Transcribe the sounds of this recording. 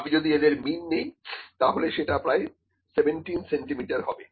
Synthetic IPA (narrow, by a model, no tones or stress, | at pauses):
bid͡ʑod̪ied̪eɾminːejt̪aɦoleʃeʈapɾaj | sebeɳʈinseɳʈimiʈaɾɦɔbe